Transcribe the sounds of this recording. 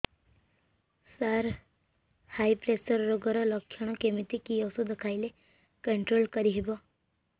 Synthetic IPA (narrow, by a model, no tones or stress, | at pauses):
saɾ | hajpɾesəɾːoɡəɾələkʰːjəɽ̃ɔkemit̪ikijɔsud̪əkʰajle | kəɳʈɾoːlkəɾiɦibɔ